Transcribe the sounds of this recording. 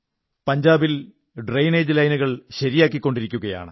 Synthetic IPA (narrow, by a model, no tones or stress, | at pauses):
pɐɲd͡ʑaːbil | ɖrejneːd͡ʑlɐjnuɣɐɭɕɐɾijaːkːikːo̞ɳɖiɾikʲːuɣɐja̰ːɳɨ